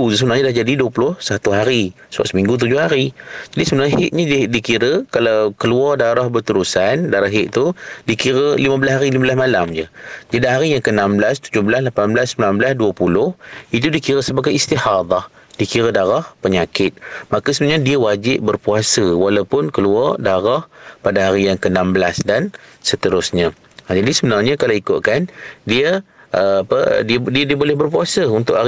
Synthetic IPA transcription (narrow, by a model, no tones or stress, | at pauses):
usəbənarɲadahd͡ʒadiduəpulʊhsat̪uɦaɾisəba̰ʔsəmĩŋɡut̪̬ud͡ʒʊhaɾid͡ʒadisəbənarɲəɦɪʔɲədikiɾəkalawkəluɔrdaɾahbət̪əɾusandaɾaɦɪʔt̪udikiɾəliməbəlasɦaɾilimablasmalamd͡ʒəd͡ʒadiɦaɾijaŋkəənamblast̪ud͡ʒʊhbəlaslapanblasːəmilanbəlasduəpulʊhit̪udikiɾəsəbaɡajist̪ihɑd̪ˤɑh | dikiɾədaɾahpəɲakɪt̪̚makasəmɲadiəwad͡ʒɪʔ̚bərpuasəwalawpʊnkəluardaɾahpadaɦaɾijaŋkənambəlasdansət̪əɾʊsɲə̃ | d͡ʒadisəbənarɲakalawikʊ̰ʔ̚kandiəəapə̰didiədiəbolɛhbərpuasəunt̪ʊʔa